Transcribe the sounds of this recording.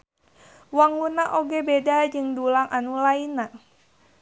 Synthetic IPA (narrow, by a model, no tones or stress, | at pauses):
waŋunaʔoɡebedad͡ʒɨŋdulaŋʔanulaina